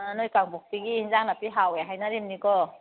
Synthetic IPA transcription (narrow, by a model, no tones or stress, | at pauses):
nojkaŋbuk̚tiɡiinzaŋnapiɦaweɦajnaɾimnikɔ